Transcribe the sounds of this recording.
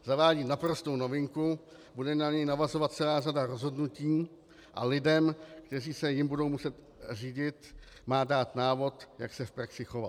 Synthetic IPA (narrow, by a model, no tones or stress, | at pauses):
zavaːɟiːnapɾo̞st̪o̞wno̞vɪŋku | budɛnaɲɛjnavazo̞vat̪̚t͡sɛlaːradaɾo̞zɦo̞dnuciː | ʔa̰lɪdɛmkt̪ɛriːsɛjɪmbudo̞wmusɛt̪ | r̝iːɟɪt̪ | maːdaːt̪naːvo̞t̪jaksɛfpɾaksɪxo̞vat